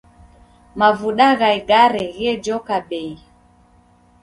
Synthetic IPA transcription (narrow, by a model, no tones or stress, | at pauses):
mavuɗaɣaiɡaɾɛɣɛd͡ʒɔkaɓɛi